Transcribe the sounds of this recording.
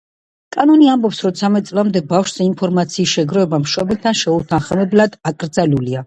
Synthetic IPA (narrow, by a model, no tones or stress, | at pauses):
kʼanɔniambɔpsɾɔt̪sʰamɛt̪sʼlˠamd̪ɛbafʃz̥ɛimpʰɔɾmat̪sʰiːsʃɛɡɾɔɛbamʃɔbɛlt̪ʰanʃɛut̪ʰanχmɛblad̪̥akʼɾd̪zalulia